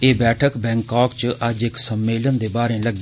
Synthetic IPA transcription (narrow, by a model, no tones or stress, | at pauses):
eːbɛːʈʰəkbɛ̃ːŋkaːkt͡ʃʔəd͡ʒɪksəmːeːlənd̪eːbaːɾẽːləɡe